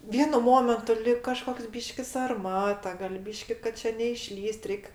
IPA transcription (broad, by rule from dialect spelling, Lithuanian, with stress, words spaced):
ˈʋʲiɛnʊ ˈmoːmʲɛntʊ lʲɪk kɐˈʃkoːks ˈbʲiːʃʲkʲɪ sɐrˈmɑːtɐ ɡɐlʲ ˈbʲiːʃʲkʲɪ kɐt ˈt͡ʃʲɛ nʲɛɪˈʃʲlʲiːsʲtʲ ˈrʲɛɪk